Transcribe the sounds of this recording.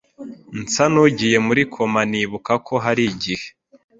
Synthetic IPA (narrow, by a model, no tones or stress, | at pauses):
nt͡sanuɟije̞muɾikʰo̞maniβukakʰo̞ɦaɾiɟihe̥